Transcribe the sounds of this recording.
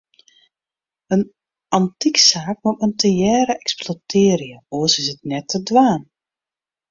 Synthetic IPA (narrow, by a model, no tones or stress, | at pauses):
ən | ʔɑntiksaːk̚mɔpəntʰəjɛːɾəʔɛksplotʰɪːɾjəoəsɪsɪt̚nɛtʰːədʋaːn